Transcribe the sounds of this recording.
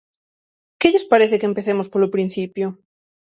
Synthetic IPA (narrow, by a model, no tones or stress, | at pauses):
keʎespaɾeθekempeθemospolopɾin̟θipjo